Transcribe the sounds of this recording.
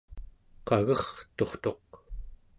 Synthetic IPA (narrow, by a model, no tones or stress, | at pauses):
qaɣʌχt̪o̞χt̪o̞q